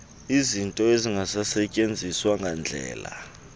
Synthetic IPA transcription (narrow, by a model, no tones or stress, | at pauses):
izintʼɔeziŋɡʱasasɛcʼend͡zʱiswaŋɡʱand͡ɮʱɛ̰ːla̰